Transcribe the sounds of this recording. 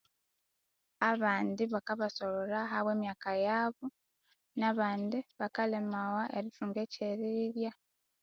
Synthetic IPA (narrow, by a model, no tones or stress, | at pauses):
aβaːnd̪iβakaβaso̞loɾaɦaβwe̞ːmjaːkajaβu | naːβaːnd̪iβakalemawaʔeɾifuːŋɡeceɾiɾja